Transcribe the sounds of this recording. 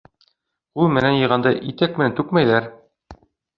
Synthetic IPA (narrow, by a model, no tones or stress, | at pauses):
ulˠmɘ̆nænjɤ̆ʁɑnd̪ɑʔit̪æk̚mɘ̆nænt̪ʉkmæjðæɾ